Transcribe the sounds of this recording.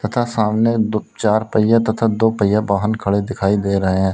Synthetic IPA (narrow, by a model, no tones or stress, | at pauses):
t̪ɐt̪ʰaːsaːmnet͡ʃaːɾpəɪjat̪ɐt̪ʰad̪oːpəɪjabaːɦənkʰəɽed̪ɪkʰaːid̪eːɾəɦeɦɛ̃ː